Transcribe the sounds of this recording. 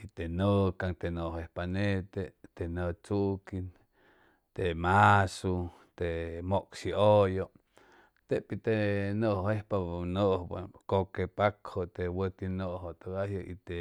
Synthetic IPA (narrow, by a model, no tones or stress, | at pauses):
it̪enəkaŋt̪enoʔɦehpanet̪et̪enət͡suʔkin | t̪emasu | t̪emoʔksiʔojoʔ | t̪eʔpit̪enəʔhehpanəʔhkokepakhot̪ewək̪inəʔɦot̪oɡahjəʔḭt̪e